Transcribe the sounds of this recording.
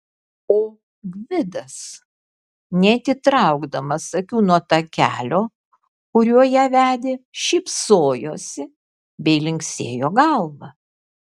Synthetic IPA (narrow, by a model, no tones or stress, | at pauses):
oː | ɡʋʲɪd̪ɐs | nʲɛt̪ʲɪt̪ɾɐʊɡd̪ɐmɐsɐkʲuːnuɔt̪ɐkʲæ̰ːlʲoː | kʊɾʲuɔjæːʋʲæːd̪ʲeːʃʲɛɪpsoːjoːsʲɪ | bʲɛɪlʲɪŋʲksʲeːjoːɡɐlˠʋɐ